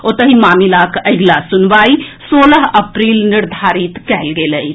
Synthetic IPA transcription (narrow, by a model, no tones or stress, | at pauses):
ot̪əɦimaːmilakəɪɡlasʊnʋaːisoːləɦəpɾiːlnɪɾd̪ʱaːɾit̪kɛɦlɡeləi